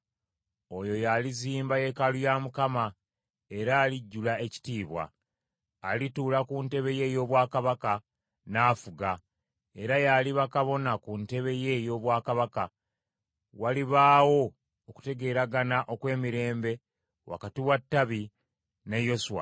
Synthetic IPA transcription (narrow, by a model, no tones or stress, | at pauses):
o̞jo̞jaliziːmbaje̞kalujamukama | e̞ɾaːliɟːulae̞ci̥tiːβwa̰ː | lituːlakunte̞βe̞je̞ːjo̞ːβwaːkaβaka | naːfuɡa | e̞ɾajaliβakaβo̞nakunte̞βe̞je̞jo̞ːβwaːkaβaka | waliβaːwo̞ | oku̥te̞ɡe̞ːɾaɡanaʔo̞kwe̞ːmiɾe̞ːmbe̞ | wa̰katiwatːaβi | nejo̞suwa̰